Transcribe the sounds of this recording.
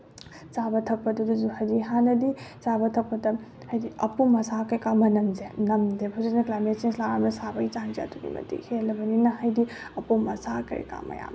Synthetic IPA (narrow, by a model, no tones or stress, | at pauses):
t͡ʃabɐtʰɐpːɐdɐduzuhɐjdiɦanɐdit͡ʃabɐtʰɐpːɐtɐ | hɐjdiɐpumɐsakɐɾikamɐnɐmzenɐmdepʰuzinɐklajmet̚senslaɾamnɐsabɐɡit͡ʃand͡ʒa̰tʰuɡḭmɐ̰tḭhʰelɐbɐninɐɦɐjdi | ɐpumɐsakɐ̰ɾḭka̰mɐ̰ja̰m